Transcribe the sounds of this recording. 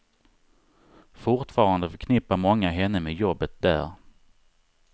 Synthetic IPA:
fʊɾʈfɑːɾand̪əfœkʰnɪpːaɾmɔŋːaɦɛnːəmɛːd̪jɔbːət̪̚d̪æ̰ːɾ

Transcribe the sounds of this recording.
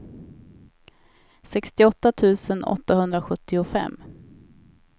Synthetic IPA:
sɛkst̪ɪɔt̪ːat̪ʰʉ̟ːsənɔ̰t̪ːahɵnd̪ɾaɧɵt̪ːɪʊfɛ̰mː

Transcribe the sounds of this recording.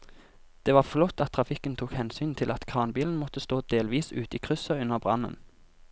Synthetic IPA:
d̪̥eːʋɑːʁflɔt̪ːɑt̪ʰːʁɑfɪkənt̪ʰuːkhɛnsyːnt̪ʰɪlʔɑt̪kʰɑːʁnbiːln̩mɔt̪əst̪oːd̪eːlʋiːsʉ̰ːt̪iːkʰʁʉsəʉnəʁbʁɑ̰nə̰n

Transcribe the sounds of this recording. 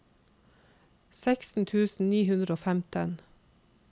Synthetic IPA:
sæksn̩t̪ʰʉːsn̩niːhʉnd̪ɾəoːfæmt̪ʰən

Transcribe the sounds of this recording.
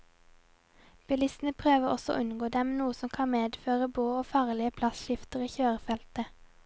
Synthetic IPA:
b̥ɪlɪsn̩əpʰʁøːʋəʁɔ̰sɔ̰ʔʉnɡoːd̪ɛmnuːəsɔmkʰɑnmeːd̪føːʁəboːoːfɑːʁlɪəpʰlɑsʃɪft̪əʁiːçøːʁəfɛlt̪ə

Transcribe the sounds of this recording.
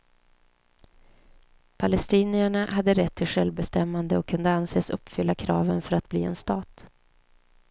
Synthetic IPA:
pʰalɛst̪iːnɪaɳahad̪ːəɾɛt̪ʰːɪlɧɛlvbɛst̪ɛmːand̪əɔkʰːɵnd̪əanseːsɵpːfʏlːakʰɾɑ̰ːvənfœɾat̪̚bliːɛ̰nst̪ɑːt̪

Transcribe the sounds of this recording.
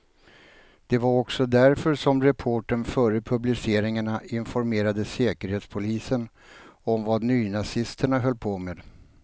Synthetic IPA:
d̪̥ɛvaɾɔksɔd̪æɾfœɾʂɔmɾɛpʰoːʈənfœːɾəpʰɵblɪseːɾɪŋaɳaɪnfɔɾmeːɾad̪əseːkəɾheːt̪spʰʊliːsən | ɔmvad̪nyːnasɪst̪ʰəɳaɦœlːpʰoːmeːd̪

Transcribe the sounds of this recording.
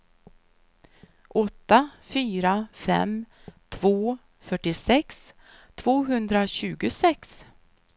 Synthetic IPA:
ʔɔt̪ːafyːɾafɛ̰m | t̪ʰvoː | fœʈːɪsɛks | t̪ʰv̥oːɦɵnd̪ɾaɕʉ̟ːɡʊsɛks

